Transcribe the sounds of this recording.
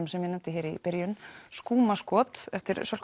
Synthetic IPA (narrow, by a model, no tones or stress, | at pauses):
ʏmsɛmjɛnɛnt̪ɪɦeːɾipɛɾjʏnskuːmaskɔːt̪ɛft̪ɪɾsœl̥k